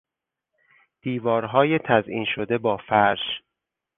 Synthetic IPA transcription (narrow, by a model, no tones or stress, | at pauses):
d̪̥iːvɒːɾɦɒːjet̪ʰæzʔḭːnʃod̪e̞bɒːfæɾʃ